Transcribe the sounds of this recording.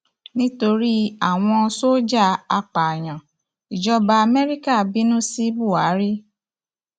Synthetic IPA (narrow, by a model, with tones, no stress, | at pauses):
nĩ˦to˧ɾi˦a˨w̃ɔ̃˧so˦d͡ʒa˦˨a˧k͡pa˨j̃ã˨ | i˨d͡ʒɔ˧ba˧a˧mɛ˦ɾi˦ka˦˨bi˨˦nũ˦si˦bu˦˨a˨˦ɾi˦